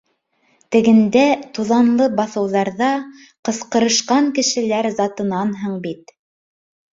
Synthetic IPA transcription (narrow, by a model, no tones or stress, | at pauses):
t̪ɘ̆ɡɘ̆nd̪æt̪uðɑnlˠɤbɑθɤ̆wðɑɾðɑ | qɤ̆sqɤ̆ɾɤ̆ʃqɑŋkɘ̆ʃɘ̆læɾzɑt̪ɤ̆nɑnɦɤɴbit̪̚